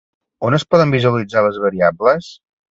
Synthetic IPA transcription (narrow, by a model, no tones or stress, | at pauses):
onəspɔðəmbizuəlid͡zaləzβəɾiabləs